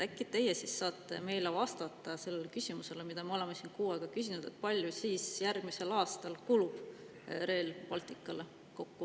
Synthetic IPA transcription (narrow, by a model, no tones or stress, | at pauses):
ækːˑit̪e̞jːesisːɑːt̪ːˑe̞̰me̞jlevɑst̪ɑt̪ˑːɑse̞lːe̞lekysʲimuse̞lemid̪̥ɑmeo̞le̞mesinkuːeɡ̥ɑkysʲinud̪̥e̞̰t̪̚pɑlʲjusiːsjærɡ̥mise̞lɑːst̪ɑlkulub̥ | ɾe̞ːlpɑlt̪ˑikːˑɑle | ko̞kːu